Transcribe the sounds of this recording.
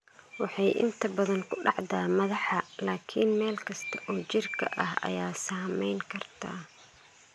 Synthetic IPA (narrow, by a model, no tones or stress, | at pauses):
wɑħɑjʔɪ̰nt̪ʰɐbɐðɐŋkʰʊɖɑʕd̪aːmɐðɑħɐlaːkʰinmɛːlkʰɐst̪ʰɐ̥ʔɔːt͡ʃɪrkʰɐ̰ʔɐhɐ̰jaːsaːmɛjŋkʰɐrt̪ʰa̰ː